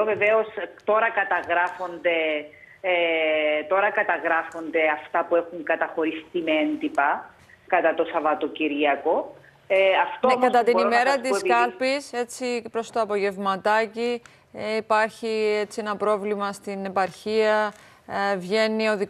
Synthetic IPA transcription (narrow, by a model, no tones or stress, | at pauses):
veveo̞st̪o̞ɾɐkɐt̪ɐɣɾɐfo̞nd̪e̞ | t̪o̞ɾɐkɐt̪ɐɣɾɐfo̞nd̪e̞ɐft̪ɐpue̞xuŋkɐt̪ɐxo̞ɾist̪imeend̪ipɐ | kɐt̪ɐt̪o̞sɐvɐt̪o̞ciɾiɐko̞ | ɐft̪okɐt̪ɐt̪inime̞ɾɐt̪iskɐlpise̞t͡sipɾo̞st̪oɐpo̞ʝe̞vmɐt̪ɐci | ipɐɾçie̞t͡sie̞nɐpɾo̞vlimɐst̪ine̞pɐɾçiɐ | vʝe̞nio̞ði